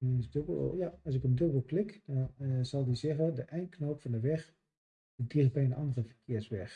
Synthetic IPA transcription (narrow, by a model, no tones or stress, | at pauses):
nɪsdøbjaɔs̬ɪkəndøbəl̩ˠklɪkd̥ɔnzɑlˠdizɛɣədəʔɛjnkʰnoːpfɔndəʋɛx | dədixbɛjənʔɑndərəfəkʰɪəsʋɛx